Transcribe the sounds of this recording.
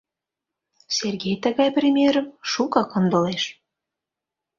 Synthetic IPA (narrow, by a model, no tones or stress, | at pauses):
sʲerɡʲejt̪əɣɑjprʲemʲieɾə̆mʃukɑkɤ̆nd̪ŏleʃ